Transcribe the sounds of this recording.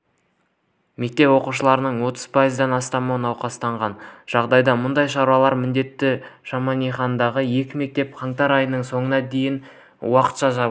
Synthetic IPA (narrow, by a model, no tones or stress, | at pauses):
me̞k̚t̪e̞pwo̞quʃ̬əlˠɑɾənəɴwo̞t̪əz̥pʰajəzd̪ɑnɑst̪ɑmɑwənɑwqɑst̪ɑɴʁɑnʒ̥ɑʁd̪ɑjd̪ɑmʊnd̪ɑjʃɑɾuɑlˠɑɾmɪnd̪e̞t̪ːɪʃɑmɑnijχɑnd̪ɑʁəje̞kʲɪme̞k̚t̪e̞p̚qʰɑŋt̪ɑɾɑjənəɴso̞ɴənɑd̪e̞jɪn | wɑqə̥t̪ʃɑʒɑbˠ